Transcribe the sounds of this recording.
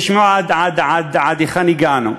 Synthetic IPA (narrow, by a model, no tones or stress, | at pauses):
ʃmuʕad̪ʕad̪ʕad̪ʕad̪ixaniɡaːnṵ